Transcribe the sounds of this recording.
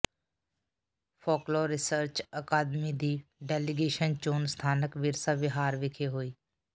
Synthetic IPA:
pʰoːkloːɾɪsəɾt͡ʃəkaːd̪mid̪iːɖɛːlɪɡeːʃənt͡ʃoːnst̪ʰaːnəkʋɪɾsaʋɪɦaːɾʋɪkʰeːɦoːiː

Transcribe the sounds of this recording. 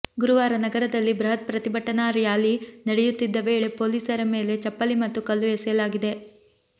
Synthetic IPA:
ɡuɾuʋaːɾɐnɐɡɐɾɐd̪ɐlːibɾɐɦɐt̪̚pɾɐt̪ibʱɐʈːɐnaɾijaːlinɐɽejut̪ːid̪ːɐʋe̞ːɭe̞po̞ːliːsɐɾɐme̞ːle̞t͡ʃɐpːɐlimɐt̪ːukɐlːuɛsɛjɐlaːɡid̪e

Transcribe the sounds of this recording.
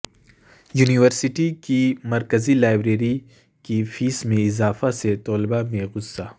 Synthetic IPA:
juːniʋəɾsɪʈikimɐɾkəzilaːɪbɾeːɾi | kifiːsmẽɪzaːfaset̪ɔːlɪbamẽɣʊsːaː

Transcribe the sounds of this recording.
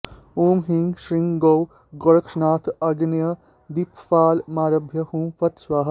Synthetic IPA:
uːmɦiŋɡʃɾiŋɡɡow | ɡoɽɐkʂnaːt̪ʰɐɡnjɐ | d̪ipfaːlmaːɾɐbʱjɐhuːmfɐt̪sʋaːɦɐ̆

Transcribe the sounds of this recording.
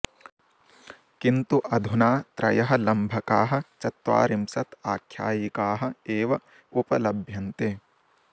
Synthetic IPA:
kint̪uʔɐd̪ʱunaːt̪ɾɐ̰jɐɦɐ̆lɐmbʱɐkaːɦɐ̆t͡ʃɐt̪ʋa̰ːɾimsɐt̪aːkʰjaːjikaːɦɐ̆eːʋɐ | upɐlɐbʱjɐnt̪eː

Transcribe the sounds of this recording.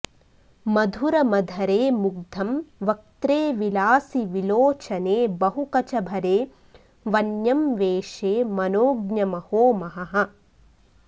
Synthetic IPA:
mɐd̪ʱuɾɐmɐd̪ʱɐɾeːmuɡ̚d̪ʱɐmʋɐk̚t̪ɾeːʋilaːsiʋiloːt͡ʃɐneːbɐɦukɐt͡ʃɐbʱɐɾeː | ʋɐnjɐmʋeːʃeːmɐnoːɡɲɐmɐhoːmɐɦɐɦɐ̆

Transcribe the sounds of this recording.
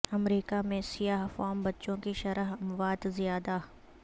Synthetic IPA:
ɐmɾiːkamẽsijaːɦfaːmbɐtːʃõkiʃɐɾəɦɐmʋaːd̪zɪjaːd̪a

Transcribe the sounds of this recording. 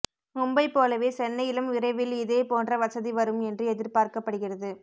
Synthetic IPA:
ʊmbɐɪpːoːlɐʋeːsɛnːɐjɪlɐmɪɾɐɪʋɪlɪðeːpoːndrɐʋɐsɐðiʋɐɾɯmɛndrɯɛðɪɾpaːɾkɐpːɐɽɯɣɪrɐðɯ

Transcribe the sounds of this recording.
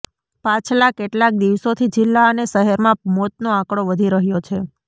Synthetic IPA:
pãt͡ʃʰlakːeʈlak̚d̪iʋsot̪ʰid͡ʒɪlːaəneʃəɦɛɾmãmɔt̪̚noãkɽoʋəd̪ʱiɾəɦjot͡ʃʰe

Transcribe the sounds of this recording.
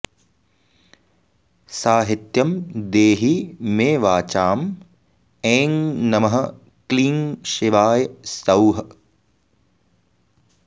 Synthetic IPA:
saːɦit̪jɐmd̪eːɦimeːʋaːt͡ʃaːm | eːŋnɐmɐɦɐ̆ | kliːŋʃiʋaːjsɐwɦɐ

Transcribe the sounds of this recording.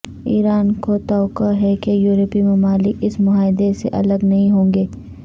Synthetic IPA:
ḭːɾaːnkot̪aːʊkaɦɛkejuːɾəpimʊmaːlɪkɪsmʊɦaːɪd̪esḛʔɐ̰ləɡnɐɦĩɦõːŋɡeː

